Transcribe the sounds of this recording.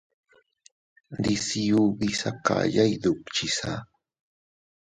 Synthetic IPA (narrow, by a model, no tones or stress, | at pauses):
d̪isijubisaka̰ʎajd̪ʊkt͡ʃisa